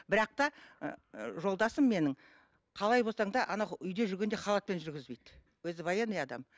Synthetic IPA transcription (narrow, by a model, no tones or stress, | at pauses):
bɪɾɑq̚t̪ɑ | ʒo̞lˠd̪ɑsəmːe̞nɪŋ | qʰɑlˠɑjbo̞sɑɴd̪ɑʔɑnɑʏjd̪e̞ʒʏɾɡʲe̞nd̪eχɑlˠɑt̪̚pe̞nʒʏɾɡʲɪzbe̞jd̪ | wɵzɪbɑjɑnejɑd̪ɑ̰m